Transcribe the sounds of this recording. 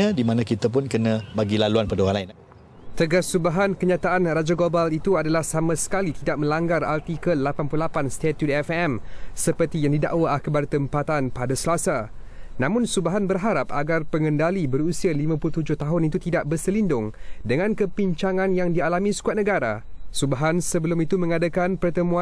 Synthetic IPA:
adimãnãkit̪ap̬ʊnkənãbaɡilaluanpadaoaŋlain | t̪əɡasːubaɦankəɲãt̪aʔanrad͡ʒaɡlobalit̪uadalahsamãsə̥kalit̪idaʔ̚mə̃laŋɡara̰lt̪ikəlapanpululapanst̪et̪jut̪ɛfɛmsəpərt̪ijaŋdida̰ʔwaʔakəbaɾat̪əmpat̪anpadasəlasa | nãmʊ̃nsubaɦanbərɦaɾapa̰ɡarpəŋə̃ndalibəɾusialimãpulut̪ud͡ʒʊht̪aɦʊnit̪ut̪idaʔ̚bərsəlindʊŋdəŋãnkəpiɲt͡ʃaŋãnjaŋdialamĩskuat̪̚nə̃ɡaɾa̰subaɦansəbəlʊmit̪umə̃ŋadakanpərt̪əmũa

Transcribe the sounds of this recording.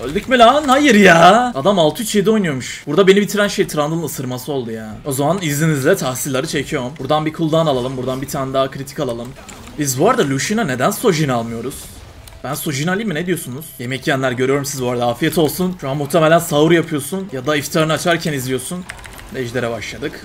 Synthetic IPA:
ølʲd̪ycmilʲanhajɯɾjaːad̪amalˠt̪ʰuyt͡ʃjed̪io̞jnujomuʃbuɾd̪abe̞nibit̪ʰiɾænʃe̞jt̪ʰɾand̪ɯlˠɯnɯsɯɾmasɯo̞lˠd̪ujaːno̞zamanizlʲinizlʲɛt̪ʰahsilʲlːˠaɾɯt͡ʃʰe̞cʰijo̞mbuɾd̪anbikʰulˠd̪analˠalˠɯmbuɾd̪anbit̪ʰaːnɛd̪aːakʰɾit̪ʰi̥kalˠalˠɯm | bizbuaɾad̪alʲuʃinane̞d̪ænso̞ʒinalˠmɯjo̞ɾuz̥ | b̥ænso̞ʒinalʲimined̪ijo̞sunuz̥je̞mɛcjænlʲæɾø̞ɾyjo̞ɾumsizbuaɾad̪aaːfijɛt̪ʰo̞lˠsunʃuɦamuht̪ʰemelʲænsavuɾjapʰɯjo̞sunjad̪aift̪ʰaɾɯnɯat͡ʃʰaɾcʰænizlʲijo̞sun | dɛʒlʲe̞ɾɛbaʃlˠad̪ɯk

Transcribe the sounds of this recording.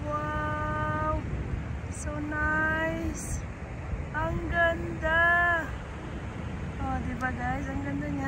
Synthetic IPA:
wa | w | sonajs | aŋɡənd̪ə | ɔd̪ebaɡajs̬aŋɡənd̪əɲa

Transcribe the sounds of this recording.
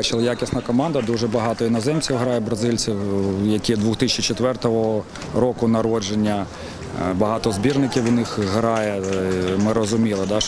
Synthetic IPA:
t͡ʃɪlˠɐjakʲisnɐkɔmɑnd̪ɐd̪uʒɛbɐɦɑt̪ɔinɐzɛmt͡sʲiwɦɾɑjɛbɾɐzɪlʲt͡sʲiwjɐkʲid̪ʋuxt̪ɪt͡ʃit͡ʃɔt̪ʋɛrt̪ɔɦɔ | rɔkʊnɐɾɔd͡ʒenʲːɐ | bɐɦɑt̪ɔzbʲirnɪkʲiwʊnɪxɦɾɑjɛmɪɾɔzʊmʲilˠɪd̪ɑ

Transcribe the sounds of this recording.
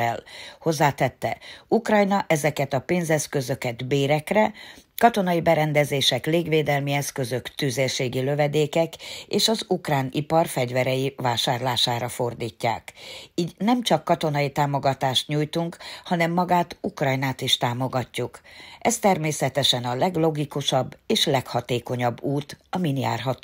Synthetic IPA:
ɛlho̞zːaːt̪ɛt̪ːɛukrɒjnɒʔɛzɛkɛt̪ɒpeːnzɛskø̞zø̞kɛd̪beːɾɛkrɛkɒt̪o̞nɒjibɛɾɛnd̪ɛzeːʃɛkleːɡveːd̪ɛlmiɛskø̞zø̞kt̪yzeʃeːɡiløvɛd̪eːkɛkeːʃɒzukraːnipɒrfɛɟvɛɾɛjivaːʃaːrlaːʃaːɾɒfo̞rd̪iːcːa̰ːkiːɟnɛmt͡ʃɒkːɒt̪o̞nɒjit̪aːmo̞ɡɒt̪aːʃt̪ɲujt̪uŋkhɒnɛmːɒɡaːt̪ukrɒjnaːt̪iʃt̪aːmo̞ɡɒcːukʔɛst̪ɛrmeːsɛt̪ɛʃɛnɒlɛɡlo̞ɡikuʃɒbːeːʃlɛkhɒt̪eːko̞ɲɒbːuːt̪ɒminja̰ːrɦɒt̪ː

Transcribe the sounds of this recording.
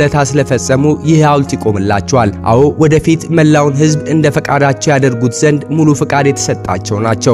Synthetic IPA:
lət̪ʰasɨləfəsʼːəmujɪhawlt̪ʰikʼo̞mɨlːat͡ʃːɛwalʔa̰wowɔd̪əfit̪məlːawnɦɨzbɨnd̪əfəkʼad̪at͡ʃːɛwjad̪əɾɡut̪z̥ənd̪mulufɨkʼad̪jɛt̪ʰə̥sət̪ʼːa̰t͡ʃːɛwnat͡ʃːɛw

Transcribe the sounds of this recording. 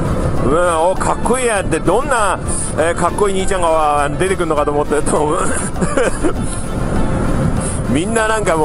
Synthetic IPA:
ɯ̃okʰakːoijat̪e̞d̪õnːa | ekakːo̞iɲiːt͡ɕãŋɡaβaanod̪e̞t̪e̞kɯɾɯnokat̪oːmot̪ːet̪ʰoːbɯ̃ | mʲinːanãŋkamo

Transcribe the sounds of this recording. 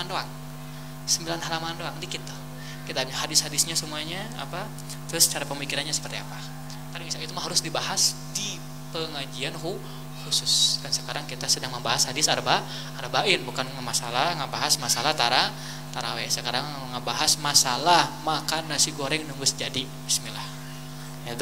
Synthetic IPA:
andoaŋ | səmbilanhalamandoaŋdikit̪ːu | kit̪aahadɪshadɪsɲasəmuaɲaa̰pa | t̪ɾʊst͡ʃaɾapəmikiɾanɲasə̥pərt̪iapa | t̪apimisait̪umaɦaɾʊsdibahas | di | pəŋad͡ʒianhu | husʊskansəkaɾaŋkit̪asədaŋməmbaɦashadɪsaɾabaː | ɾabaʔɪnbukanamasalaŋabaɦasmasalaht̪aɾa | t̪aɾa̰wɛsəkaɾaŋ | ŋabaɦasmasalahmakanasiɡoɾɛŋnuŋɡʊsd͡ʒadi | ismilah | jaɡ

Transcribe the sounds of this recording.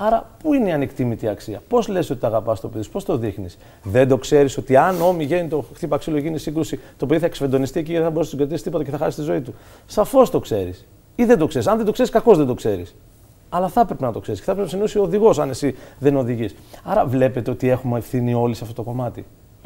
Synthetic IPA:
ɐɾɐpuineiɐnekt̪imit̪iɐksiɐpo̞zle̞so̞t̪it̪ɐɣɐpɐst̪o̞peðiospo̞st̪o̞ðixnis | ðe̞nd̪o̞kse̞ɾiso̞t̪iɐno̞miʝe̞nit̪o̞xt̪ipoɐksiloeʝinisiŋɡɾusit̪o̞pe̞ðiθɐeksfed̪o̞nist̪iec̬iʝeðeθɐboɾesnt̪sɡɾet̪isi̥st̪ipot̪ɐceθɐxɐsist̪izo̞it̪usɐfo̞st̪o̞kse̞ɾḭs | iðed̪o̞kse̞ɾisɐnðed̪o̞ke̞ɾiskɐko̞zðe̞nd̪o̞kse̞ɾis | ɐlɐθɐpɾe̞penɐt̪o̞kse̞ɾisceθɐpɾnsinosiooðiɣo̞sɐne̞siðe̞no̞ðiʝisɐɾɐvle̞pe̞t̪e̞o̞t̪ie̞xumeefθinio̞lisɐft̪o̞t̪o̞ko̞mɐt̪i

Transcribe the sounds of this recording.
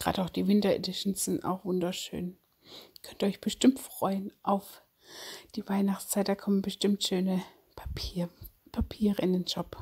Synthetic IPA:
ɡ̥ʁa̰ːdəaʊxd̥iːvɪntɐḛdɪʃn̩sz̥ɪnta̰ʊxv̥ʊndɐʃø̰ːn | kʰœntɔʏçb̥əʃtɪmtfʁ̥ɔʏənʔaʊf | d̥iːvaɪnaχt͡st͡saɪt̚d̥aːkʰɔmənbəʃtɪmtʃøːnə | pʰapʰiːpʰapʰiːʁəɪndeːnd͡ʒɔp

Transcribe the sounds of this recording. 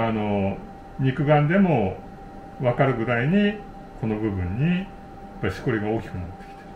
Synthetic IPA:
ano̞ | ɲ̟ikɯ̟ɡãnd̪e̞mo̞ | βakaɾɯ̟ɡɯ̟d̪aiɲ̟i | kʰo̞no̞bɯ̟bɯ̟̃ɲ̟ːi | jjapːaɾiɕi̥ko̞ɾʲiɡao̞ːkʲi̥kɯ̟nat̪ːe̥kʲi̥t̪e̥

